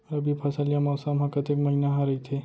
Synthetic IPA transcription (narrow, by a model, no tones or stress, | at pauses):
ɾəbipʰasalijamawsamakət̪ekməɦinaɦaɾəit̪ʰe